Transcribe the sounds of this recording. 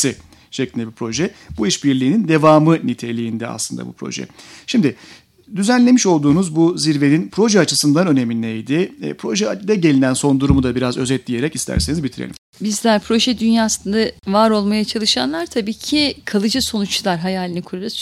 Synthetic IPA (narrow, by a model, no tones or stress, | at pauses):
i | ʃeclʲind̪ɛbipʰɾo̞ʒɛbuiʃbiɾlʲiːnind̪e̞vaːmɯnit̪ʰe̞lʲijːnd̪ɛa̰slˠɯnd̪a̰bṵpʰɾo̞̰ʒɛ̰ʃimd̪ɪ | d̪yzænlʲe̞miʃo̞lˠd̪uːnuzbuziɾve̞ninpʰɾo̞ʒɛat͡ʃʰɯsɯnd̪anø̞ne̞minɛjd̪ɪ̰pʰɾo̞ʒɛd̪ɛɟe̞lʲinænso̞nd̪uɾumud̪abiɾazø̞zɛt̪̚d̪ʲije̞ɾɛcist̪ʰæ̰ɾse̞nizbit̪ʰiɾḛl̰ʲim | bizlʲæɾpʰɾo̞ʒɛd̪ynjaːsɯnd̪avaɾo̞lˠmajat͡ʃʰalˠɯʃanlˠaɾt̪ʰabiːcʰikʰalˠɯd͡ʒɯso̞nut͡ʃlˠaɾɦajaːlʲinikʰuɾalˠɯs